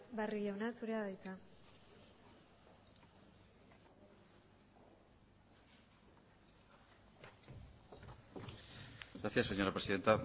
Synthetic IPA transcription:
bariʝawnasuɾeaðajt͡s̪a | ɡɾaθiaseɲo̞ɾapɾesiðe̞nt̪a

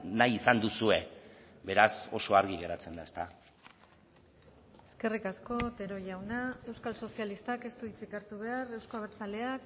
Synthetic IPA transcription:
najisand̪usue̞ | be̞ɾaso̞̰so̞aɾɣiɣe̞ɾat͡se̞nd̪ae̞st̪a | e̞ske̞rikasko̞t̪e̞ɾo̞ʝawnae̞wskalso̞sialist̪ake̞st̪uit͡sikaɾt̪uβ̞e̞are̞wsko̞aβ̞eɾt͡sale̞ak

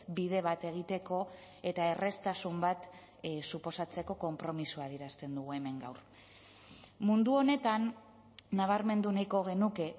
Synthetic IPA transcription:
bið̞e̞β̞at̪e̞ɣ̞it̪e̞ko̞ | e̞t̪ae̞re̞st̪asumbat̪ | supo̞sat͡se̞ko̞ko̞mpɾo̞misuaðiɾast̪e̞nd̪uɣ̞ue̞me̞ŋɡa̰wɾ | mund̪uo̞ne̞t̪anː | aβ̞aɾme̞nd̪unajko̞ɣ̞e̞nuke̞

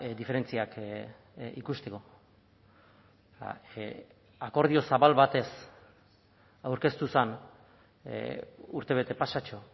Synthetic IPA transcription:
d̪ife̞ɾe̞nt͡siak | ḭkust̪e̞ko̞ | a̰ | ako̞ɾð̞io̞saβalβat̪e̞s | awɾke̞st̪usan | uɾt̪e̞β̞e̞t̪e̞pasat͡ʃo̞

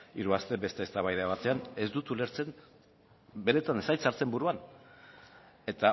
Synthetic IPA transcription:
iɾuast̪e̞be̞st̪est̪aβajðeaβat̪e̞ane̞zd̪ut̪ule̞ɾt͡se̞n | be̞ɾe̞t̪ansajsaɾt͡se̞mbuɾuan | e̞t̪a

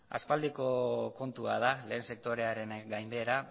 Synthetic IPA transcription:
a̰spald̪iko̞ko̞nt̪uað̞ale̞ːnse̞k̚t̪oɾe̞aɾe̞nɡajmbe̞ɾa

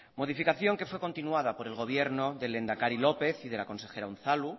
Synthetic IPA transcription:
mo̞ð̞ifikaθjo̞ŋke̞fwe̞ko̞nt̪inuaðapo̞ɾe̞lɣo̞β̞je̞ɾnoðe̞le̞nd̪akaɾilo̞pe̞θiðe̞lako̞nse̞xe̞ɾaun̟θalu

